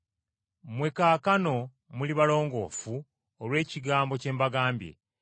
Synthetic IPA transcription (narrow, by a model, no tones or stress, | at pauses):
mwe̞kaːkano̞ | muliβalo̞ːŋɡo̞̰ːfu | olwe̞ːciɡaːmbo̞ce̞ːmbaɡaːmbje̞̰